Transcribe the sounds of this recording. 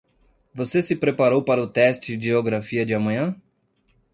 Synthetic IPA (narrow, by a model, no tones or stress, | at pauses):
vosesɪpɾepaɾowpaɾɐʊt̪ɛst͡ʃɪd͡ʒioɡɾafiɐd͡ʒɪamɐ̃ɲɐ̃